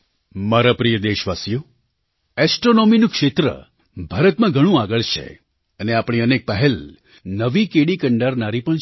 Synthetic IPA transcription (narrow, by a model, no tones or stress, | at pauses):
maɾapɾijəd̪eʃʋasjo | ɛsʈɾonominũkʃet̪ɾə̰ | bʱaɾət̪mãɡʱəɽ̃ũaɡəɭt͡ʃʰḛ | əneapɽ̃iənek̚pəɦel | nəʋikeɽikəɳɖaɾnaɾipəɳ